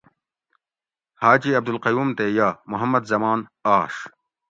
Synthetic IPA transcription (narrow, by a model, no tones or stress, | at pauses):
haːt͡ɕiɐb̚d̪ulqɐjuːmt̪eːjaːmʊɦɐmːɐd̪zɐmaːnaːʂ